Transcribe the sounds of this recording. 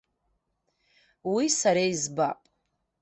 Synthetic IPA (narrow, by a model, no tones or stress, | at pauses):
wisaɾeizbapʼ